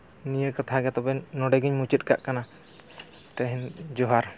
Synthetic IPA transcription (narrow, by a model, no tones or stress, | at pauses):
nijəkat̪ʰaɡɛt̪ɔbɛnɔɖɛɡiɲmut͡ʃit̪̚ka̰ʔkana | t̪ɛɦɛnd͡ʒɔɦaɾ